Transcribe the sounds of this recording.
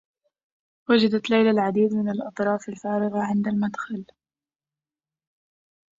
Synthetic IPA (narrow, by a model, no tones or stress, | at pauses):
wad͡ʒad̪at̪lajlalʕad̪iːd̪mɪnalʔɑt̪ˤɾˤɑːfalfaːɾɪɣaʕɪnd̪almad̪xal